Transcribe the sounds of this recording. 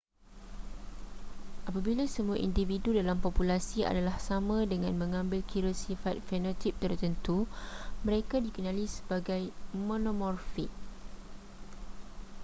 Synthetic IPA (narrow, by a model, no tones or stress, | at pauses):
ʔapabilasəmuaʔindividudalampɔpulasia̰dalahsamãdəŋãnmə̃ŋãmbɪlkʰiɾəsifat̪̚fɛnat̪ip̚t̪ərt̪ənt̪umə̃ɾekadikənãlisə̥baɡajmõnomɔrfiʔ